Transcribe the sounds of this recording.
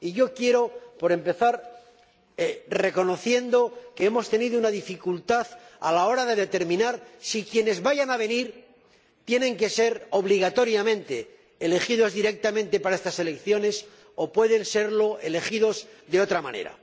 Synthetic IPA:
iʝo̞kje̞ɾo̞po̞ɾe̞mpe̞θaɾ | re̞ko̞no̞θje̞nd̪o̞ke̞emo̞st̪e̞niðounaðifikult̪aðalao̞ɾaðe̞ðe̞t̪e̞ɾmĩnaɾsikje̞ne̞zβaʝanaβe̞niɾ | t̪je̞nẽ̞ŋke̞se̞ɾo̞β̞liɣ̞at̪o̞ɾjamẽnt̪e̞ | ele̞χiðo̞zðiɾe̞k̚t̪amẽ̞nt̪e̞paɾaest̪ase̞lekθjo̞ne̞s | o̞pwe̞ðe̞nse̞ɾlo̞ʔe̞le̞χið̞o̞zðe̞o̞t̪ɾamã̰ne̞̰ɾa̰

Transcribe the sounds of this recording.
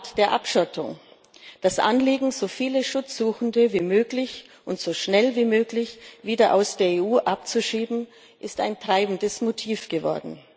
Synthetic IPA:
td̥eːɐʔapʃɔtʰʊ̰ŋ | d̥asʔa̰nliːɡŋ̩zoːfiːləʃʊt͡sz̥uːxn̩dəviːmøːklɪç | ʔʊntz̥oːʃnɛlviːmøːklɪçviːdɐʔa̰ʊsd̥eːɐeːuːʔap̚t͡suʃiːbm̩ | ʔɪsta̰ɪntʁ̥aɪbn̩dəsmotʰiːfɡ̥əvɔ̰ɐdn̩

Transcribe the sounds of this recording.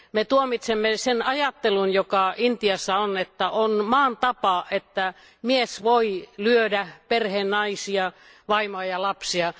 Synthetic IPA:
met̪uomit̪semːesenɑjɑt̪ːelunjokɑint̪iɑsːɑonet̪ːæʔonmɑːnt̪ɑpɑet̪ːæ | miesʋoilyødæperheːnnɑisiɑ | ʋɑimoɑjɑlɑpsiɑ

